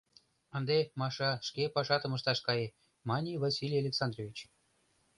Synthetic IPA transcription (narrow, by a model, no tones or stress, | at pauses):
ənd̪emɑʃɑʃkepɑʃɑt̪ə̆mə̆ʃt̪ɑʃkɑje | mɑnʲivɑsʲilʲijalʲeksɑnd̪rovʲit͡ɕ